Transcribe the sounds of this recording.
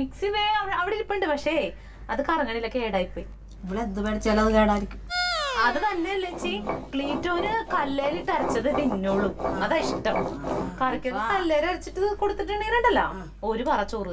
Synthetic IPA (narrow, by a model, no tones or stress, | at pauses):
miksiʋeːɐiɐʋiɽeiɾipːeːɳɖɨpɐkʂe | ɐðɨkɐrɐŋːɐɳilokːeeːɽaːjipːoːi | iʋiɭend̪ubeːɽɐt͡ɕːelɐðɨkeːɽaːiɾikʲːu̥mɐðɨt̪ɐnːelet͡ɕːikɭiːtːo̞ːnɨkɐlːeːliʈːɐrɐt͡ɕːɐðɨpinːoːɭːumɐðɐiʂʈːɐmkɐrikʲːɐðkɐlːeːɾɐrit͡ɕːiʈːɨkoɽut̪ːiʈːɨɳiːɾɐɳɖɐlːɐ̰ | o̞ɾupɐrɐt͡ɕːuːru